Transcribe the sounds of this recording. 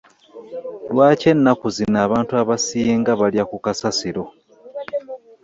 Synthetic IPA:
lwaːce̞nːakuzinaːβaːntuaβasijeŋɡaβaljakukasasiɾo̞

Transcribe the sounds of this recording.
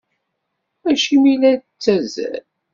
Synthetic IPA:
æʃimilædt͡sːæzæ̰l

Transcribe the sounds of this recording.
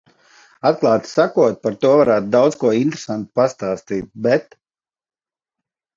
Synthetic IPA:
at̪̚klˠɑːt̪sakuɔt̪̚paɾt̪uɔvaɾaːt̪d̪awd̪zkuɔint̪ɾesant̪past̪aːst̪iːt̪̚bɛt̪

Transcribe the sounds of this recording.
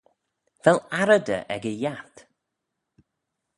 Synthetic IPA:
v̥ɛlaɾəd̪ə̰ʔɛ̰ɡəjat̪

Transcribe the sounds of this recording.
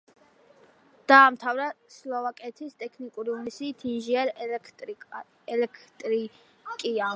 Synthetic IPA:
d̪̥aːmt̪ʰavɾaslˠɔvakʼɛt̪ʰist̪ʼɛkʰnikʼuɾiunisiːt̪ʰinʒiaɾʼ | ɛlɛkʰt̪ʼɾi | kʼia

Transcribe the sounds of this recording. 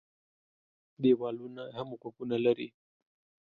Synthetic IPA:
d̪ewɑlunahamokakunalaɾḭ

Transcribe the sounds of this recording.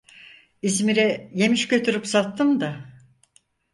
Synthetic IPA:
izmiɾɛje̞miʃcø̞t̪ʰyɾypsat̪ːɯmd̪a

